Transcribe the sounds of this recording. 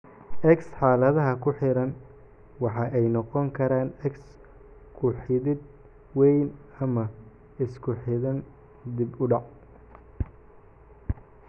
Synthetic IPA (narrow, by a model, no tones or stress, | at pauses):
ʔɛksħɑːlɐðɐɦɐkʰʊħɪɾɐn | wɑħɑːʔɛjnɔqɔŋkʰɐɾaːnɛks | kʰʊħɪðɪd̪̚ | wɛjnɐmɐ | ɪskʰʊħɪðɐn | d̪ɪbʊɖɑʕ